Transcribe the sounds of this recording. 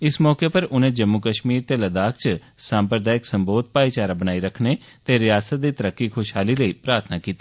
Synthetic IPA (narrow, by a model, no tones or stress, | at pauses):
ɪsmɔːkeːpəɾʊnẽːd͡ʒəmːukəʃmiːɾt̪eːləd̪aːkʰt͡ʃ | sãːmpɾəd̪aːjɪksəmboːd̪̚paːit͡ʃaːɾaːbənaːiɾəkʰneː | t̪eːɾɪjaːsət̪̚d̪iːt̪əɾəkːiːkʰʊʃɦaːliːləiːpɾaːɾt̪ʰnaːkiːt̪i̥ː